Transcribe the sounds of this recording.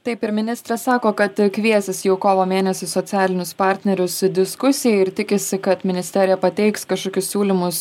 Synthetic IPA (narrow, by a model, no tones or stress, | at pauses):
t̪ɐɪpɪɾmʲɪnʲɪst̪ɾɐssɑːkoːkɐt̪kʲʋʲiɛsʲɪsjɛʊkoːʋoːmʲeːnʲɛsʲɪsot̪sʲæːlʲɪnʲʊspɑːɾʲt̪ʲnʲɛɾʲʊsd̪ʲɪskʊsʲɪjɛɪɾt̪ʲɪkʲɪsʲɪkɐt̪mʲɪnʲɪsʲt̪ʲɛɾʲɪjɛpɐt̪ʲɛɪkskɐʃkoːkʲʊsʲsʲuːlʲɪmʊs